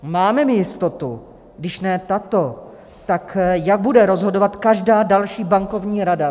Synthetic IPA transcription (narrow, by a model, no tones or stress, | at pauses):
maːmɛmɪjɪst̪o̞t̪u | ɡdɪʃnɛːt̪at̪o̞ | t̪akjaɡ̚budɛɾo̞zɦo̞do̞vat̪kaʒdaːdalʃiːbaŋko̞vɲiːɾada